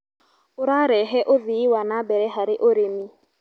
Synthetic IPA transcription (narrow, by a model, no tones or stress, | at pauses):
ʊɾaɾɛɦɛʔoðiwanabɛɾɛɦaɾɪʔoɾemi